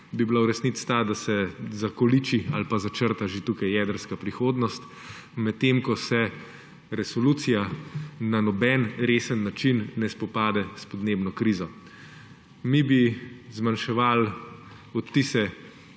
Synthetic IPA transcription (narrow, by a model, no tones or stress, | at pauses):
bibilawɾɛsnit̪st̪aːd̪asɛzakɔlit͡ʃialpazat͡ʃəɾt̪aʒet̪ukajjɛːd̪əɾskapɾixoːd̪nɔst̪ | mɛt̪ːeːmkɔsɛ | ɾɛsɔluːt̪sijananɔbɛnɾeːsənːat͡ʃinːɛspɔpaːd̪ɛspɔd̪neːbnɔkɾiːzɔ | mibizmanʃɛʋal | ɔt̪ːisɛ